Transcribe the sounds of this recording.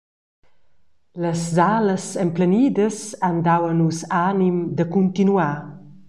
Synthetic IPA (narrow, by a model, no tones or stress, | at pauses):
ləszaləsempləniːd̪əsand̪awənusanimd̪əkunt̪inua